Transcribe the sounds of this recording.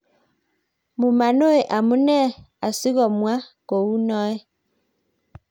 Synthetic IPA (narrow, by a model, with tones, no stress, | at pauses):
mu˨ma˨no˦e˨ʔa˨mu˦nɛ˦˨a˨si˦ɣɔ˨mwa˦ko˨wu˦nɔ˦e˦